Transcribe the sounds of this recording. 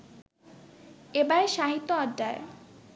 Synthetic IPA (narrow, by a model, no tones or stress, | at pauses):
ebaeʃaɦit̪ːoɔɖːae